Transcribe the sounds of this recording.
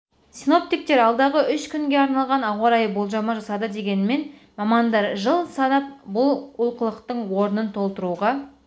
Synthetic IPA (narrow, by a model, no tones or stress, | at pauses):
sino̞p̚t̪ik̚t̪e̞ɾɑlˠd̪ɑʁəʔʏʃkʲʰʏŋɡʲe̞ɑɾnɑlˠʁɑnɑwɑɾɑjəbo̞lˠʒɑmɑʒɑsɑd̪əd̪e̞ɡʲe̞nɪme̞n | mɑmɑnd̪ɑɾʒəlˠsɑnɑp̚bʊlˠʊlˠqəlˠəqt̪əɴwo̞ɾənənt̪ʰo̞lˠt̪əɾuʁɑ